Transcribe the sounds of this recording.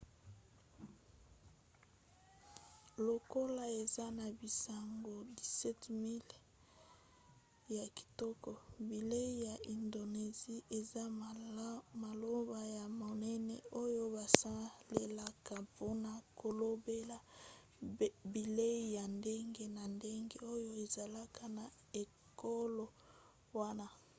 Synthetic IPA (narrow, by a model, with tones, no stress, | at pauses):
lo˨ko˦la˦e˨za˦na˨bi˨sa˨ŋɡo˨di˨sɛ˦tmi˦l | ja˨ki̥˨tɔ˦kɔ˨bi˨le˦i˦ja˨ʔi˨ndo˨ne˨zi˦ʔe˨za˦ | ma˨lo˦ba˨ja˨mo˨nɛ˦nɛ˨o˦jo˦ba˨sa˦le˨la˦ka˨po˦na˨ko˨lo˦be˦la˨ | bi˨le˦ja˨nde˦ŋɡe˦na˨nde˦ŋɡe˦o˦jo˦e˨za˨la˦ka˨na˨ | e˨ | ko˦lo˨ | wa˦na˦